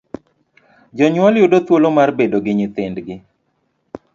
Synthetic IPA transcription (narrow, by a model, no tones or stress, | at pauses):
d͡ʒɔɲwɔljudot̪wolomarbedoɡɪɲɪt̪ɪndɡɪ